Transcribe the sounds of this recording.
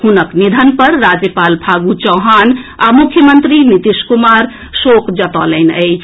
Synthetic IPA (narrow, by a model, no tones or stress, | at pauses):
hunəknid̪ʱənpəɾːad͡ʒjəpalbʱʰaɡut͡ʃəwɦanamukʰjəmənt̪ɾinit̪iskumaɾ | sokʰd͡ʒət̪ələnə̰ɪt͡ʃʰ